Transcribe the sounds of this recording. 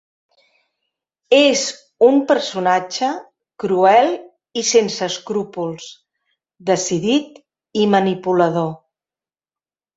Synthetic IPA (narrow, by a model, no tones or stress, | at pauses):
ez | umpəɾsunad͡ʒə | kɾuɛlˠ | isensəːskɾupulˠs | d̪əsiðit̪ | imənipuləð̞o